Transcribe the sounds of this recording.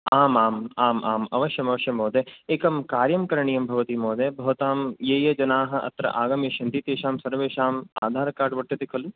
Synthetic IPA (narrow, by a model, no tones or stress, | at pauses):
aːmaːmaːmʔaːmɐ̰ʋɐʃjɐmɐʋɐʃjɐmoːd̪eeːkɐmkaːɾjɐmkɐɾɐɳijɐmbʱɐʋɐt̪imoːd̪eːbʱɐʋɐt̪aːmjeːjɐd͡ʒɐnaːɦɐ̆ʔɐ̰t̪ɾɐ̰ʔaːɡɐmjɐʃɐnd̪it̪eːʃaːmsɐɾʋeːʃaːma̰ːd̪ʱaːɾɐkaːɾʈʋɐʈt̪ɐd̪ekʰɐlu